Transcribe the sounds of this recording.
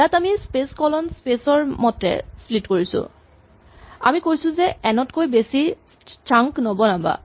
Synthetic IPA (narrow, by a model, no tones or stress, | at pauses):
jatamispeskɔlɔnspesɔɹmɔtɛ̰splitkoɹisʊ̰̃ | a̰mikojsʊ̃zɛɛnɔtkojbesi | taŋknobɔnaba̰